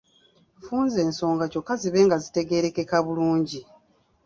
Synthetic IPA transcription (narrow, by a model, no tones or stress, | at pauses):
fuːnze̞ːnso̞ːŋɡaco̞kːaziβe̞ːŋɡazite̞ɡe̞ːɾe̞ke̞kaβuluːɲɟi